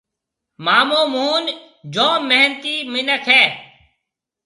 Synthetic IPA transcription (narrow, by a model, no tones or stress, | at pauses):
maːmoːmuːn | d͡ʒoːmɛɦnt̪iːmɪnəkʰɦɛː